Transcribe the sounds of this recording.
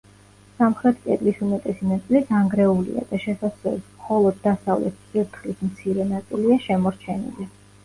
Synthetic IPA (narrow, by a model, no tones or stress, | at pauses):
samχɾɛt̪ʰkʼɛ̰t̪ʼlisumɛt̪ʼɛsinat̪sʼlit̪ʰaŋɡɾɛulḭa̰d̪aʃɛsasɛ̰lismχɔlˠɔd̪ːasavlɛ̰t̪̚ʰpʼiɾt̪ʰχlismt̪sʰiɾɛnat̪sʼiliaʃɛmɔɾt͡ʃʰɛnḭli